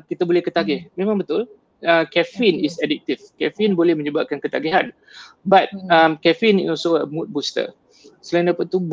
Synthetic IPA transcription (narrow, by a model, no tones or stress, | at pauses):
kit̪abolɛhkət̪aɡɛhmẽmãŋbət̪ʊl | əkɛfinisɛdik̚t̪ifkɛfinbolɛhmə̃ɲəbap̚kankət̪aɡiɦan | bat̪̚əmkɛfinɔsoə̰mut̪̚bust̪ə̰ | səlaindapaʔt̪ub